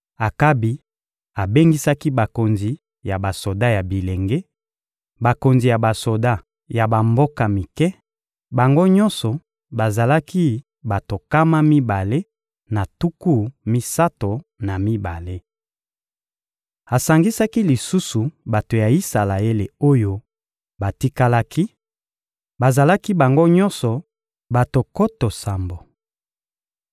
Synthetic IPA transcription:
a˨ka˦bi˨ | a˨be˦ŋɡi˦sa˦ki˦ba˨ko˨nzi˨ | ja˨ba˨so˨da˦ja˨bi˨le˨ŋɡe˦ | ba˨ko˨nzi˨ja˨ba˨so˨da˦ | ja˨ba˨mbo˦ka˨mi˨kɛ˦ | ba˨ŋɡo˦ɲɔ̃˦nsɔ˨ | ba˨za˨la˦ki˦ | ba˨to˨ka˦ma˦mi˦ba˨le˦ | na˨tu˦ku˦mi˦sa˦to˨na˨mi˦ba̰˨le˦ | a˨sa˨ŋɡi˦sa˦ki˦li˨su˦su˨ba˨to˨ja˨i˦sa˨la˨e˦le˨o˦jo˦ | ba˨ti˦ka˦la˦kʰi˦ | ba˨za˨la˦ki˦ba˨ŋɡo˦ɲɔ̃˦nsɔ˨ | ba˨to˨ko˦to˨sa˨mbo˨

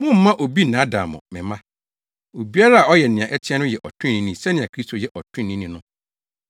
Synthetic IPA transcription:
mʊ̃˦m̩˦mã˦ʔo˨bi˦nã˦dã̰˨mɔ̰̃˨mɪ̰̃˨mã˦ | o˨bi˦a˦ɾa˦a˨ɔ˦jɛ˨nɪ̃˨ã˨ʔɛ˦tʰɪ˦a˦nʊ̃˦jɛ˨ʔɔ˨tʰᶣɪ̃˦nĩ˦nĩ˦˨sɛ˦nɪ̃˨ã˨kʰɾi˦stʰo˨jɛ˨ʔɔ˨tʰɪ̃˦˨nːĩ˦nĩ˦nʊ̃˦

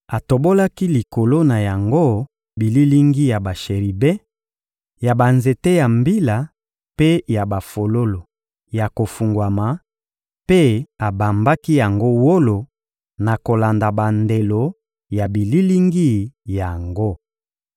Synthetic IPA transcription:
a˨to˨bo˦la˦ki˦li˨ko˨lo˦na˨ja˨ŋɡo˦ | bi˨li˦li˦ŋɡi˦ja˨ba˨ʃe˨ʁi˨bɛ˦ | ja˨ba˨nze˨te˦ja˨mbi˦la˨ | pe˦ja˨ba˨fo˨lo˦lo˨ | ja˨ko˨fu˨ŋɡwa˨ma˨ | pe˦a˨ba˨mba˦ki˦ja˨ŋɡo˦wo˦lo˨ | na˨ko˨la˨nda˨ba˨nde˨lo˨ | ja˨bi˨li˦li˦ŋɡi˦ja˨ŋɡo˦

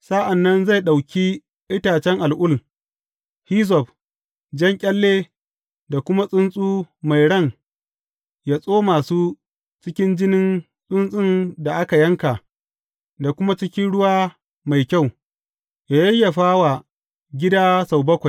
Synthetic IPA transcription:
sa˦ʔa˨nːɐ˦nza˦˨jɗa˨wkʲiː˦ | ʔɪ˦taː˨t͡ʃɛ˦ŋʔa˨lʔʊ˦l | hi˦s̬ɔ˨b | d͡ʒɐ˦ŋkʲʼɐ˦lːeː˦ | da˨kʷʊ˦ma˦sʼʊ˦nsʼuː˦ma˨jɽɐ˦ŋ | jaː˦sʼoː˦maː˨suː˦ | t͡ʃɪ˦kʲɪ˦nd͡ʒɪ˦nɪ˦n | sʼʊ˦nsʼɪ˦nda˨ʔa˦ka˨jɐ˦ŋka˨ | da˨kʷʊ˦ma˦t͡ʃɪ˦kʲɪ˦nɽʊ˦waː˦ | ma˨jkʲa˦˨w | ja˨jɐ˦jːa˨ɸaː˦wa˨ | ɡʲɪ˦daː˦sa˨wbɐ˦kʷa˨j

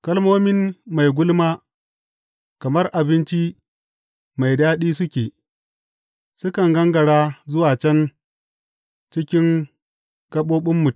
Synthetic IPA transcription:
kɐ˦lmoː˦mɪ˦nma˨jɡʷʊ˦lmaː˦ | kɐ˨mɐ˦rʔa˨bɪ˦nt͡ʃi˦ | ma˨jdaː˦ɗiː˦s̬ʊ˦kʲeː˨ | sʊ˦kɐ˨ŋɡɐ˦ŋɡɐ˨ɽaː˦zʊ˦waː˨t͡ʃɛ˦n | t͡ʃɪ˦kʲɪ˦ŋ | kɐ˦ɓoː˦ɓʊ˦mːʊ˨t

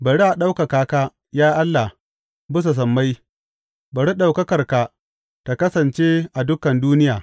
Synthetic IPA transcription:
bɐ˨ɽi˦ʔa˨ɗa˦wkɐ˨kaː˨ka˦ | jaː˦ʔa˦lːa˨h | bʊ˦s̬a˨s̬ɐ˨mːa˦j | bɐ˨ɽi˦ɗa˨wkɐ˦kɐ˨rka˨ | ta˨kɐ˦sɐ˨nt͡ʃe˦ʔa˨dʊ˦kɐ˨nduː˦nɪ˦jaː˨

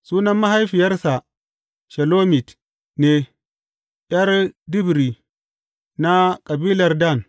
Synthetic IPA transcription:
suː˦nɐ˦mːa˦ɦa˦jɸi˨jɐ˦rsa˨ | ʃɐ˨loː˦mi˨t | neː˨ | j̰ɐ˦rdɪ˦bɾi˨ | na˦kʼɐ˨biː˦lɐ˨rdɐ˦˨n

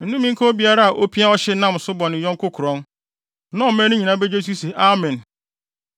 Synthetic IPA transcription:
n̩˦nũ˦mĩ˦ŋ̩˦kʰɔ̃˦bi˦a˦ɾa˦a˨ʔo˦pʰi˦a˦ɔ˦ɕɪ˦nã˦˨m˨sʊ˦bɔ˨nɪ̃˨jɔ̃˦ŋ˦kʰʊ˦kʰʊ˨ɾɔ̃˨n | nã˦ɔ˨mɛ̃˦nʊ̃˦ɲĩ˨nã˦be˦d͡ʑe˦tu˦se˨ʔa˦mɛ̃˨n

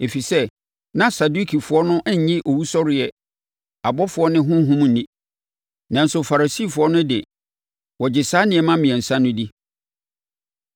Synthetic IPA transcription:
e˨fi˨sɛ˦ | nã˦˨sa˨du˦kʰi˨fʊ˦ɔ˦nʊ̃˦ʔɛ˦ɲ˦ɲɪ̃˦ʔo˨wu˦sɔ˦ɾɪ˨ɛ˨ | a˨bɔ˦fʊ˨˦ɔ˦nɪ̃˦ɦʊ̃˦ɦũ˦m̩˦˨nĩ˦ | nã˨n̩˦sʊ˨fa˨ɾa˨siː˦˨fʊ˨ɔ˦nʊ̃˦dɪ̰˨ | wɔ˨d͡ʑɪ˨saː˦nɪ̃˨ɛ˨mã˦mɪ̃˨ɛ̃˨n̩˨sã˦nːʊ̃˦di˦

